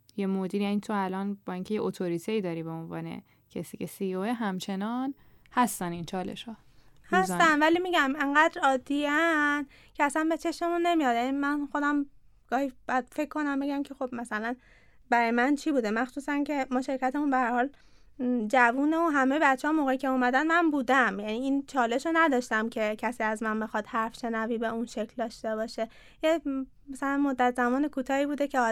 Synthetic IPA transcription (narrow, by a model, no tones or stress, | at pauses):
jemod̪iɾjænit̪ʰoælɒnbɒːiːŋcʰe̞jeʔot̪ʰoɾit̪ʰeiːd̪ɒːɾiːbeonvɒ̰ːnḛ | cʰesiːcʰesioeɦæmt͡ʃʰe̞nɒn | hæst̪ænint͡ʃʰɒːlḛʃhɒː | hæst̪ænvælimiɟæme̞ŋɢæːd̪ɾɒːd̪ːiæn | cʰeæsænbe̞t͡ʃʰe̞ʃme̞munːe̞mijɒd̪jænimænxo̞d̪æm | ɡ̥ɒːhibæd̪̥fe̞kʰkːo̞næmbe̞ɡæmcʲʰe̞xo̞b̥mæsælæn | bæɾɒːjemænt͡ʃʰibuːd̪e̞mæxsuːsæncʰe̞mɒːʃe̞ɾkʰæt̪emunbehæɾhɒːl | d͡ʒævuːne̞unɦæmejebæt̪t͡ʃʰːeɒːmoːɣeicʰe̞uːmæd̪ænmænbuːd̪æmjæniiːnt͡ʃʰɒːle̞ʃonæd̪ɒːʃt̪æmcʰe̞cʰæsiːæzmænbexɒːd̪̥hæɾfʃe̞næviːbe̞unʃecʰld̪ɒːʃt̪ebɒːʃe | je | mæsælænmod̪ːæt̪zæmɒːne̞kʰuːt̪ʰɒːhiːbuːd̪ecʰeɒ